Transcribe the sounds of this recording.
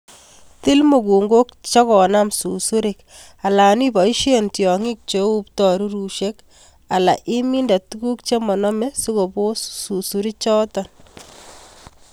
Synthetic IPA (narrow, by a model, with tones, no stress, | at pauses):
ti˦lmo˨ɡu˨ŋɡo˦k̚t͡ʃa˦kɔ˨na˦msu˨su˦ɾi˨k | a˨la˨ni˦bɔ˨i˦ʃe˦ntjɔ˨ŋi˦k̚t͡ʃe˨u˦ptɔ˨ɾu˦ɾu˨ʃe˦k | a˨la̰˨ʔi˦mi˦nda˨tu˦ɡu˦k̚t͡ʃe˦mɔ˨nɔ˦me˦su˦ɡo˨bo˦su˨su˦ɾi˦t͡ʃɔ˦tɔ˨n